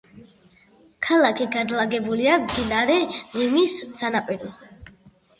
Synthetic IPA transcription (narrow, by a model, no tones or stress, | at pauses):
kʰalakʰiɡad̪laɡɛbuliamd̪inaɾɛnimissanapʼɛɾɔzɛ